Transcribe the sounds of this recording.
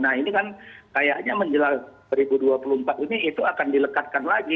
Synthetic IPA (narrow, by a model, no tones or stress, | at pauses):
nahinikankajaʔɲaməɲd͡ʒəlalsəɾibuduapulumpat̪iniit̪uakandiləkat̪̚kanlaɡi